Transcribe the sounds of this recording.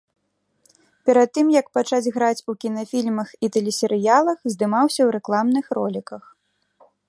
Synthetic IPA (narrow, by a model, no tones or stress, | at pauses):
pʲɛɾad̪ːɨmjɐk̚pat͡ʂad͡zʲɣɾat͡sʲukʲinɐfʲilʲmɐxit̪ɛlʲɛsʲɛɾɨjalˠɐxzd̪ɨmawsʲɐwɾɛklˠamnɨxɾɔlʲikɐx